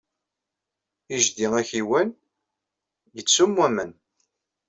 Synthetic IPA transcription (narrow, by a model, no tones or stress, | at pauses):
iʒd̪iŋæçiwæn | jət͡sːumwæmən